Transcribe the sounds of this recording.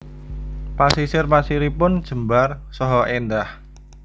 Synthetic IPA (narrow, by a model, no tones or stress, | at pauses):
pasisɪrmasiɾipʊnd̥ʒ̥ə̤mbarsɔɦɔʔend̪ah